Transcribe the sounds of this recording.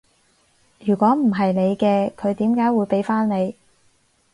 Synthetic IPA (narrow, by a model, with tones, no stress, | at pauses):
jyː˨˩kʷɔː˨˥m̩˨˩ɦɐ˨jne˨˧jkɛː˧kʰɵ˨˧ɥt̪iː˨˥mkaː˨˥jwuː˨˧jpe˨˥jfaː˥nne˨˧j